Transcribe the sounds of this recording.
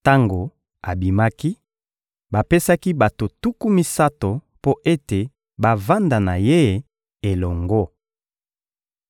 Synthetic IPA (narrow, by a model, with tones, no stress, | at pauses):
ta˦ŋɡo˨ | a˨bi˨ma˦ki˦ | ba˨pe˦sa˦ki˦ba˨to˨tu˦ku˦mi˦sa˦to˨ | po˦ʔe˦te˨ | ba˨va˦nda˨na˨je˦˨ | e˨lɔ˨ŋɡɔ˦